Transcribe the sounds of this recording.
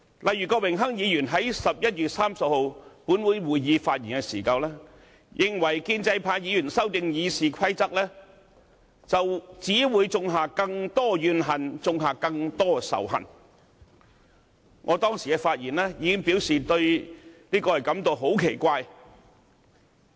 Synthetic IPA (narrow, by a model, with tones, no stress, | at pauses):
lʔɐ˨jyː˨˩kɔː˧wɪ˨˩ŋɦɐ˥ŋjiː˨˧jyː˨˩nɦɐ˨˥jsɐ˨p̚jɐ˥t̚jyː˨t̚saː˥msɐ˨p̚ho˨˧wpuː˨˥nwu˨˧jwuː˨˩jjiː˨˧faː˧t̚jiː˨˩nkɛ˧sḭː˨˩kaː˧wlɛː˥ | jʔɪ˨˧ŋwɐ˨˩jkiː˥nt͡sɐ˧jpʰaː˧˥njiː˨˧jyː˨˩nsɐ˥wt̪ɪ˨ŋjiː˨˧siː˨kʷʰɐ˥jt͡sɐ˥k̚lɛː˥ | t͡sɐ˨wt͡siː˨˥wuː˨˧jt͡sʊ˧ŋɦaː˨kɐ˧ŋt̪ɔː˥jyː˨˧nɦɐ˨nt͡sʊ˧ŋɦaː˨kɐ˧ŋt̪ɔː˥sɐ̰˨˩wɦɐ̰˨˩n | ŋʔɔː˨˧t̪ɔː˥ŋsiː˨kɛ˧faː˧t̚jiː˨˩nlɛː˥jiː˨˧kɪ˥ŋpiː˨˥wsiː˨t̪ɵ˧ɥliː˥kɔː˧hɐ˨˩jkɐ˨˥mt̪o˨˧wɦo˨˥wkʰe˨˩jkʷaː˧j